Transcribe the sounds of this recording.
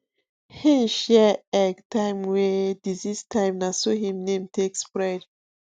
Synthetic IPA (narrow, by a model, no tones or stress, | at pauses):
hĩnʃɛɛɡtʰãɪ̃mwɛdizistʰãj̃mnasohĩmnẽmtʰekspɹɛd